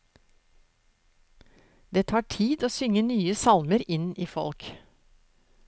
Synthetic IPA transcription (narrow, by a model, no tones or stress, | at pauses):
d̪eːt̪ʰɑːʈʰiːd̪oːsʏŋənyːəsɑlməɾɪniːfɔ̰lk